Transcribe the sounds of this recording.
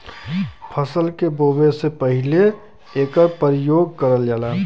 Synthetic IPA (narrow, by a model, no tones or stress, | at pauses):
pʰəsəlkeboːbesepəɦɪle | eːkəɾpəɾjoːɡ̚kəɾəld͡ʒaːlaː